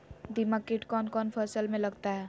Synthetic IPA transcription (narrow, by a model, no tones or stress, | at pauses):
d̪imakːiʈkɔnkɔnpʰəsəlmẽləɡt̪aɦɛ